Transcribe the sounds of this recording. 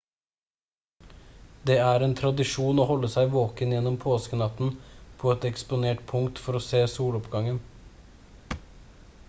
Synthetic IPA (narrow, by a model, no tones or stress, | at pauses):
d̪eːæːɾeːnt̪ʰɾɑd̪ɪʂuːnoːhɔlːəsæɪʋoːkənjɛnːɔmpʰoːskənɑt̪n̩pʰoːɛt̪ɛkspʊneːʈpʰʊŋt̪fɔɾoːseːsuːɽɔpɡɑŋən